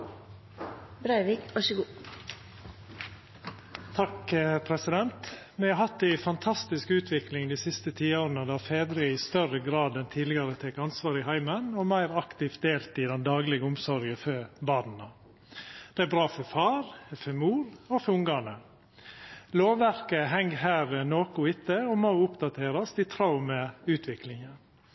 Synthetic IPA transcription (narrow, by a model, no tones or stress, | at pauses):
bɾɑɪʋikɑʃəɡuː | t̪ʰɑkəpʰɾɛsɪd̪ɛnt̪ | mɛɑɦɑt̪̚d̪æɪfɑnt̪ʰɑst̪ɪskʉːt̪ʰʋɪklɪŋd̪iːsɪst̪ət̪ʰiːoːɾənəd̪ɑːfeːd̪ɾɪɪst̪œɾəɡɾɑːd̪ɛnt̪ʰiːlɪɡɑɾət̪ʰɛkɑnsʋɑːɾɪɦæɪmənɔmæɪɾɑkt̪ɪft̪̚d̪eːlt̪ɪd̪ɛnd̪ɑːɡlɪɡəʊmsɔɾɡəfœbɑːd̪n̩ɑ | d̪̥ɛæbɾɑːfɔɾfɑːɾfœmuːɾɔfɔʊŋɡɑnə | loːʋæɾkəɦɛŋːɦæːɾənoːkʊɪt̪ʰːəɔmoʊpd̪ɑt̪ʰeːɾɑst̪ɪt̪ʰɾɑʊməʉːt̪ʰʋɪklɪŋən